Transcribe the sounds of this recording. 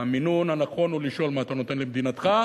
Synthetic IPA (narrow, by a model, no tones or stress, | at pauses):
aminunanaχo̞nuliʃo̞lmaːt̪ano̞t̪e̞nlemd̪inat̪χa